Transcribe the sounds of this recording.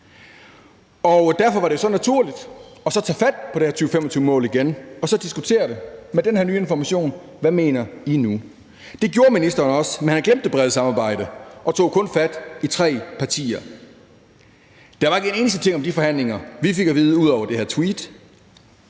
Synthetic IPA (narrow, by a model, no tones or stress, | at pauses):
ɒ̽d̥æɐfɒ̽ʋɑ̈ɾejo̝sɒ̽næt͡sʰuɐ̰lid̥ɒ̽sɒ̽t͡sʰɛ̰ːfæd̥̚pʰɒ̽ɾ̥e̝hæɐt͡sʰyːʊfemɒ̽t͡sʰyːʊəmɔ̰̽ːliɡ̥enɒ̽sɒ̽d̥isɡ̥ut͡sʰe̝̰ːɐɾe̝med̥enhæɐnyːe̝nfɒmæɕo̝̰ːn | ʋæme̝̰ːnɐinu | d̥e̝ɡ̥jo̝ːɐminisd̥ɐːnɒ̽smenhænɡ̥lemd̥əb̥ʁɛð̞ˠsɑ̈mɑ̈ːb̥ɑ̈ɪ̰d̥əʔɒ̽t͡sʰo̝̰ːkʰɔ̽nfæd̥it͡sʰʁɛ̰ːpʰɑ̈t͡sʰḭːɐ | d̥ɑʋɑ̈e̝ɡəene̝ːnəsd̥ə̥t͡sʰe̝ŋ̰ɒ̽md̥ifɒ̽hæn̰le̝ŋɐʋife̝ɡ̥æʋiːð̞̩ˠəuðˠɒʊɐd̥e̝hæɐt͡sʰwiːd̥